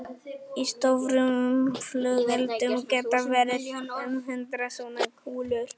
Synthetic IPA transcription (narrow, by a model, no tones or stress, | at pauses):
ist̪ovɾʏmʏmflœɣɛlt̪ʏmkɛːt̪avɛɾɪɾhinʏmɦʏnt̪ɾasonakʰuːlʏɾ̥